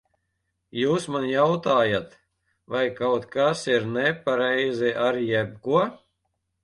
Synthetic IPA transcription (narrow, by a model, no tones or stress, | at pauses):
juːsmanjawt̪aːjat̪ | vajkawt̪kasiɾnɛpaɾɛjziʔaɾjɛb̚kuɔ